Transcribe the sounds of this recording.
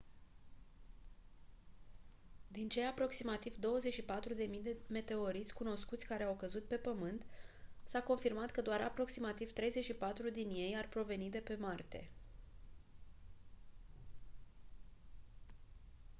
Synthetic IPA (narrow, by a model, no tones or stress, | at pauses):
d̪int͡ʃe̞japɾo̞ksimat̪ivd̪o̞wəze̞t͡ʃʲʃipat̪ɾud̪e̞mijd̪eme̞t̪e̞o̞ɾit̪sʲkuno̞skut̪sʲkaɾe̞awkəzut̪̚pe̞pəmɨnt̪sako̞nfirmat̪kəd̪oaɾapɾo̞ksimat̪iv̥t̪ɾe̞jze̞t͡ʃʲʃipat̪ɾud̪inje̞jarpɾo̞ve̞nid̪e̞pe̞mart̪e̞̰